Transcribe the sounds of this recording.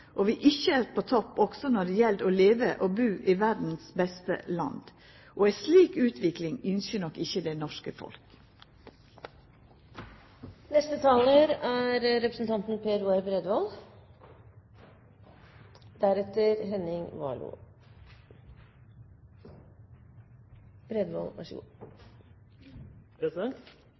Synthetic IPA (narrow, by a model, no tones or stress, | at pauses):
ʔoːʋiːʔɪçəæːɾpʰoːt̪ʰɔpːɔɡ̥sɔnɔɖ̪ɛjɛld̪oːleːʋəʔoːbʉːʔiːʋæɾd̪n̩sbɛst̪ə̰lɑ̰nd̪̥ | ʔoːæsliːkʉːt̪ʰʋɪklɪŋʏnsənɔkːɪçəd̪eːnɔʂkəfɔ̰lk | nɛst̪ət̪ʰɑːləɾæːɾɾɛpɾəsn̩t̪ʰɑnt̪n̩pʰeːɾuːæɾbɾɛd̪ʋɑl | d̪̥æɾɛt̪əɾɦɛnɪŋʋɑ̰ːlṵː | b̥ɾɛd̪ʋɑ̰læ̰ʂṵː